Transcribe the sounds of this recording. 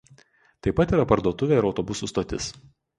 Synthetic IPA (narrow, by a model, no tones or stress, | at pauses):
t̪ɐɪpːɐt̪iːɾɐpɐɾd̪uɔt̪ʊʋʲeːˑɪɾɒʊt̪ɔbʊsʊˑst̪oːt̪ʲɪ̰s